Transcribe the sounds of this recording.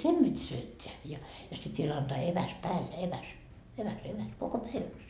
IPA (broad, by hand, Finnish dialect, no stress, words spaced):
sem b̥itʲ syøtːeæ jɑ jɑ sit ʋiel ɑntɑː eʋæs pæːlːe eʋæs eʋæs eʋæs koko pæiʋæks